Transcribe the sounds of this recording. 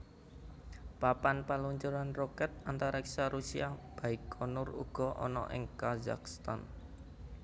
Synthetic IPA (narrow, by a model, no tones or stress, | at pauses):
papanpaluɲt͡ʃuɾanrɔkɛt̪̚ant̪aɾaɛksaɾusiab̥aɪkʰːɔnʊrṵɡ̥ɔ̤ʔɔ̰nɔ̰ʔɪ̰ŋkaza̰kst̪a̰n